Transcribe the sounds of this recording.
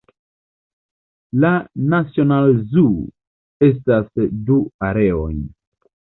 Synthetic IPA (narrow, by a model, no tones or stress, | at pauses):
lanasio̞nalzu | e̞s̬tasduaɾe̞ojn